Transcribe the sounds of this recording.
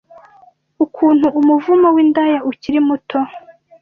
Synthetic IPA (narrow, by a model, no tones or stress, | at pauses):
ukʰuːn̥huʔːmuvumowiːndajauciɾimutʰo